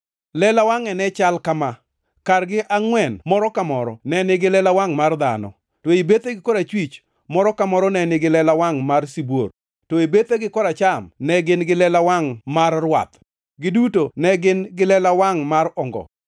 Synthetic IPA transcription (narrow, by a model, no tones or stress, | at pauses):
lɛlawaŋɛnɛt͡ʃalkama | karɡɪʔaŋwɛnmɔɾɔkamɔɾɔ̰nɛnɪɡɪlɛlawaŋmard̪a̰nɔ̰ | tɔibet̪eɡɪkɔɾat͡ʃwit͡ʃ | mɔɾɔkamɔɾɔnɛnɪɡɪlɛlawaŋmarsibo̰ɾ | tɔibet̪eɡɪkɔɾat͡ʃamnɛɡɪnɡɪlɛlawaŋmarːwa̰t̪ | ɡɪdutonɛɡɪnɡɪlɛlawaŋmarɔŋɡɔ̰